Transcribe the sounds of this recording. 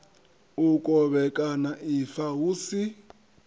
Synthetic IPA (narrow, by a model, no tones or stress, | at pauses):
ukʼɔβɛkʼanaʔifaɦuːsi